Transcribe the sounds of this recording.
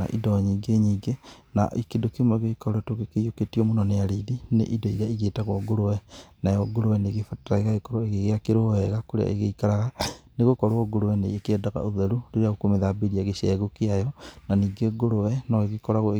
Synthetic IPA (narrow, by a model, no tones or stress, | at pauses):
a̰ʔḭdɔɲiːɡeɲiːɡena̰ʔekedokemɔeɣeikɔɾoɛtokekejoketiomunɔnejaɾiðinḛʔidoiɾeaiɣeːtaɣwɔɡoɾowɛnajɔɡoɾowɛneɣefataɾaeɣaekɔɾoeɣeɣeakeɾohɛɣakoɾea̰ʔḛɣeikaɾaɣaneɣokɔɾwɔɡoɾowɛnḛekɛdaɣa̰oðɛɾuɾeɾeaɣokomeðabeɾiaɣeʃɛɣokeajɔnaniːɡeɡoɾowɛnɔɣeɣekɔɾaɣo